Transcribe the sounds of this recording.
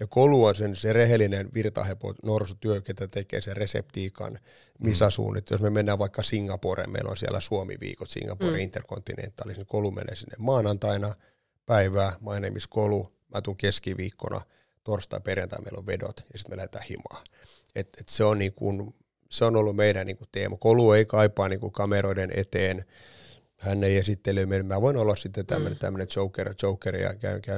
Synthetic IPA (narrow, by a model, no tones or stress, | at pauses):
jɑkoluonsenserehelːinenʋirt̪ɑ̰hepo̰norsut̪yøket̪ːæt̪ekḛːseresḛpt̪iːkɑ̰n | misæsṵːnːet̪josmemenːæːʋɑikːɑsiŋɡɑporḛmmḛilo̰nsiælæsuomḭʋḭːkot̪sḭŋɡɑporiint̪ːerkont̪ːinḛnt̪ːˑɑlisnikolumḛnḛːsinːemmɑːnɑnt̪ɑinɑ | pæiʋæːmɑinemiskolu | mʔæt̪uŋkeskiʋiːkːo̰nɑ̰ | t̪orst̪ɑ̰perjent̪ɑ̰mḛilo̰ʋʋedo̰t̪jɑsit̪melæhet̪æːhḭmɑ̰ː | et̪et̪seonniːŋkun | seonolːummeidænniŋkut̪ḛːmɑkolueikɑipɑːniːŋkukɑmeroidenʔḛt̪eːn | hænːeijesit̪ːelømelmmæʋoinolːɑssit̪ːet̪æ̰mːønet̪æ̰mːønet͡ʃoukːert͡ʃoukːerḭjɑ̰kæ̰ykæ